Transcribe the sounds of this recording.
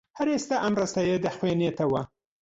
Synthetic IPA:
haɾest̪aʔamɾast̪ajed̪əxwenet̪awa

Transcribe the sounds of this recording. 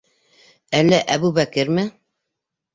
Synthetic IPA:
ælːæʔæβuβækɘɾmɘ

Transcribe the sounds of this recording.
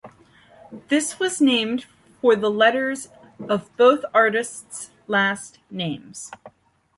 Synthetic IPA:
ðɪswʌznẽɪ̃md̥ | fə˞ðəlɛɾə˞z | ʌvboʊθɑɹɾɨsts | læstnẽɪ̃mz̥

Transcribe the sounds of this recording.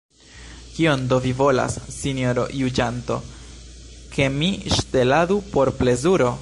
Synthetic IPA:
kio̞nd̪o̞vivo̞la̰sːinjoɾo̞̰jud͡ʒanto̞̰ | kʰe̞miʃte̞ladupo̞ɾple̞zuɾo̞

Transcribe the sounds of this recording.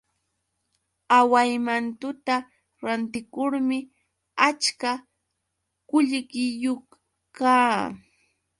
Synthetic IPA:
awajmant̪ʊt̪a | ɾant̪ɪkʊɾmɪ | at͡ʃka | kʊʎɢɪjoχ | kaː

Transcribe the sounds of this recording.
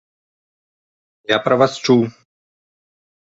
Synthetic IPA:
jaːpɾɐʋast͡ʃuː

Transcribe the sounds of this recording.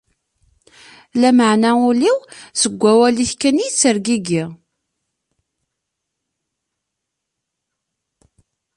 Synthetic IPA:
læməʕnæʊliwsəɡʷːæwæliθkænit͡sːəɾɡiɡiʁ

